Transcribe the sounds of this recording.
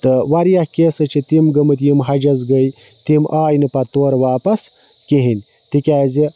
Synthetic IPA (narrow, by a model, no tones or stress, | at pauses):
t̪əwaɾijahkeːsɐt͡ʃʰit̪imɡəmɨt̪jimɦɐd͡ʒɐzɡəj | t̪imʔaːjnɨpɐt̪oːɾwaːpɐs | kiɦinʲ | t̪ikʲaːzi